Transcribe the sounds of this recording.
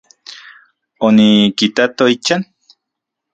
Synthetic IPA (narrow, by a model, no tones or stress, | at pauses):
onikit̪at̪oit͡ʃan